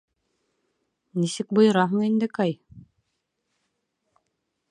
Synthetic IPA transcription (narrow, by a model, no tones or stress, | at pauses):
nisɘk̚bŏjɤ̆ɾɑɦɤɴind̪ɘkɑj